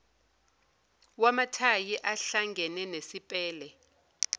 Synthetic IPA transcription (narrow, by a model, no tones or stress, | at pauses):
wamatʰajiʔaɬaŋɡʱɛnɛnesipʼɛːlɛ